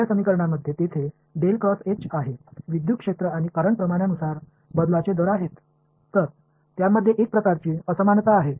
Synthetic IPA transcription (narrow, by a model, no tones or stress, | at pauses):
asəmikəɾɳ̃aməd̪ʱːjet̪et̪ʰe | ɖelkɾɔset͡ɕaɦeʋid̪jukʂet̪ɾəaɽ̃ikəɾəɳpɾəmaɽjanusaɾ | bəd̪lat͡ɕed̪ɔɾaɦet̪ː | əɾ | t̪jaməd̪ʱːjeʔek̚pɾəkaɾt͡ɕiːəsəmant̪aːɦe